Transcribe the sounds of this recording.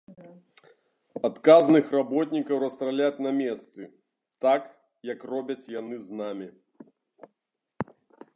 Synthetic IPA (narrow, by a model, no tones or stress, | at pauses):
at̪kaznɨxrabɔt̪ʲnʲikɐwrɐst̪ɾalʲat͡sʲnɐmʲɛst̪sɨ | t̪ak | jɐkrɔbʲɐt͡sʲjan̪ɨznamʲi